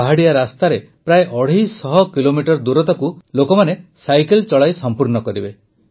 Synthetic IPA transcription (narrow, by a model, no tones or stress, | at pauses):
aɦaɽijaɾast̪aɾe | pɾajʔɔɽ̤ijsɔɦɔkilomiʈɔɾd̪uɾɔt̪ɔkulokɔmanesajkelt͡ʃɔɭajsɔmpuɾnɔkɔɾibe